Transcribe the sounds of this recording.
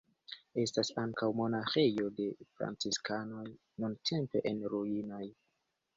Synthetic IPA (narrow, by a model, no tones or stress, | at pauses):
e̞stasaŋkawmo̞naxe̞jo̞de̞fɾa̰nt͡siskano̞j | nuntʰe̞mpe̞ʔenɾuinoj